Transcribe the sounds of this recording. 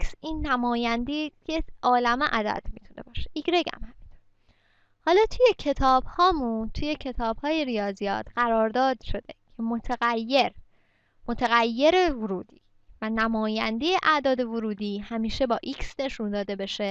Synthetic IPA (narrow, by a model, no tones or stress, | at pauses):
siːnːæmɒːjænd̪ieʔɒːlæmeʔæd̪æ̰d̪̥mit̪ʰune̞̰bɒːʃeiɡɾeɡæ̰mhæmint̪ʰoɾ | hɒːlɒːt̪ʰujecʰe̞t̪ʰɒːb̥hɒːmunt̪ʰuje̞cʰe̞t̪ʰɒːbhɒːje̞ɾijɒːzijɒ̰ːt̪ɢæɾɒːɾd̪ɒːd̪ʃo̞d̪ecʰe̞mot̪ʰeɣæjːe̞ɾ | mot̪ʰeɣæjːe̞ɾevoɾuːd̪iː | vænæmɒːjænd̪ejeʔæd̪ɒːd̪e̞voɾuːd̪iːhæmiːʃe̞bɒːʔiːksne̞ʃund̪ɒːd̪e̞be̞ʃe